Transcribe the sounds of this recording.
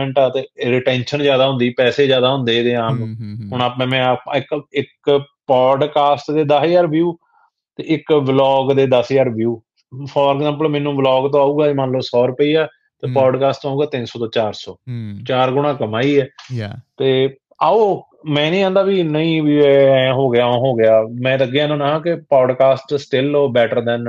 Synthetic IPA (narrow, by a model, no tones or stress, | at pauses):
ɛ̃ɳʈaːt̪eːɾɪʈɛ̃ːnʃənzjaːd̪aːɦʊ̃nd̪iːpɛːseːzjaːd̪aːɦʊ̃nd̪eːd̪eːãːmɦʊɳaːpẽːmɛ̃ːpɪkɪkpɔːɖkaːsʈd̪eːd̪əsjaːɾʋjuː | t̪eːɪkblɔːɡd̪eːd̪əsjaːɾʋjuː | pʰɔːɾkzãːmpəlmɛ̃ːnũːblɔːɡt̪õːaːuːɡaːd͡ʒmanləʋsɔːɾəpəiːaː | t̪eːpaːɖkaːsʈt̪õːuːɡaːt̪ɪnsɔːt̪õːt͡ʃaːɾsɔːt͡ʃaːɾɡʊɽ̃ãːkəmaːiːɛːt̪eː | aːoː | mɛ̃ːnĩːãːnd̪aːbiːnəĩːʋjuːɛːɦoːɡɪjãːɦoːɡɪjaːmɛ̃ːt̪əɡeːãːnãːnaːãːkɪpɔːɖkaːsʈsʈɪlːbɛːʈəɾd̪ɛ̃ːn